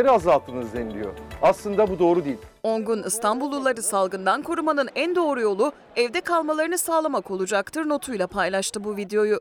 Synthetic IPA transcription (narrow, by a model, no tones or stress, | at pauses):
eɾazalˠt̪ʰɯnɯzd̪enilʲijoaslˠɯnd̪abud̪o̞ːɾud̪ilʲo̞ŋɡunɯst̪ʰanbulˠːulˠːaɾɯsalˠɡɯnd̪ankʰo̞ɾumanɯnænd̪o̞ːɾujo̞lˠu | ɛvd̪ɛkʰalˠmalˠaɾɯnɯsaːlˠamako̞lˠud͡ʒakt̪ʰɯɾno̞t̪ʰujlˠapʰajlˠaʃt̪ɯbuvid̪eo̞ju